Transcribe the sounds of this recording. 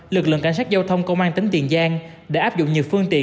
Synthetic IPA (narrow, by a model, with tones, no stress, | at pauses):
lɨ˨˩k̚lɨ̰˧˨ŋka˧˩ŋ̟saː˦˥t̚zaː˧wt̪ʰə˧wŋ͡mkə˧wŋ͡mʔaː˧nt̪ï˨˦ŋt̪ḭ˨˩ənzaː˧ŋ | ɗe˧˩ʔaː˦˥p̚zʊ̰˧˨ŋ͡mɲɨ˨˩wfɨ˧əŋt̪ḭ˧˨